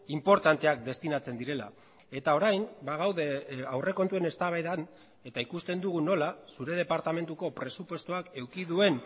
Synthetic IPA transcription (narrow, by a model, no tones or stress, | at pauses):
impo̞ɾt̪ant̪e̞ak̚d̪e̞st̪inat͡se̞nd̪iɾe̞la̰ | e̞t̪ao̞ɾajmbaɣ̞awðe̞awre̞ko̞nt̪ue̞ne̞st̪aβajðan | e̞t̪aikust̪e̞nd̪uɣ̞uno̞lasuɾe̞ð̞e̞paɾt̪ame̞nt̪uko̞pɾe̞supwe̞st̪uake̞wkiðue̞n